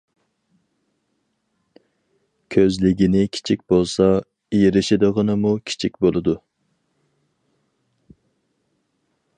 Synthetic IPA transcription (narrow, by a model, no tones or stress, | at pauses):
kʲʰøzlɪɡʲinɪkʲʰi̥t͡ʃʰik̚ʲbolˠsɑ | ijɾɪʃɪd̪əʁənɨmukʲʰi̥t͡ʃʰik̚ʲbolˠɨd̪u